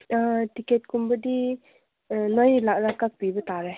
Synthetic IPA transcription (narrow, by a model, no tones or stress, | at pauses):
tiket̚kumbədi | nɔjlaʔlakak̚bibət̪aɾɛ